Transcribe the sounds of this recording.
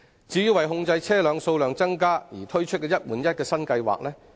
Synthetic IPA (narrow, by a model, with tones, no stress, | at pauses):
t͡siː˨˥jiː˧wɐ˨jɦʊ˧ŋt͡sɐ˧jt͡sʰɛː˥lœː˨˧ŋso˧wlœː˨ŋt͡sɐ˥ŋkaː˥jiː˨˩t̪ʰɵ˥ɥt͡ʃʰɵ˥t̚kɛː˧jɐ˥t̚wuː˨˩njɐ˥t̚kɛː˧sɐ˥nkɐ˧jwa̰ː˨k̚lɛː˥